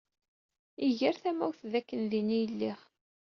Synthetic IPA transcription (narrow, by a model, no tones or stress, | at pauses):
iʝəɾθæmæwθðækːənðinijəlːiχ